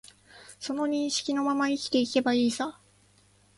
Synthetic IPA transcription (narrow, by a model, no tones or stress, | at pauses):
so̞no̞ɲ̟ĩɰ̃ɕi̥kʲino̞mamaikʲi̥t̪e̞ike̞baiːsa